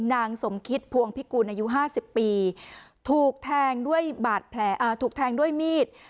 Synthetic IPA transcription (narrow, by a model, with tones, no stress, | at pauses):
naː˧ŋso˩˦mkʰi˦˥t̪̚pʰu˧əŋpʰi˦˥kuː˧nʔaː˧ju˦˥ɦaː˥˩si˨˩pːiː˧t̪ʰuː˨˩k̚t̪ʰɛː˧ŋdu˥˩əjbaː˨˩t̪̚pʰlɛː˩˦ʔaː˧˩t̪ʰuː˨˩k̪̚ʰɛː˧ŋdu˥˩əjmiː˥˩t̪̚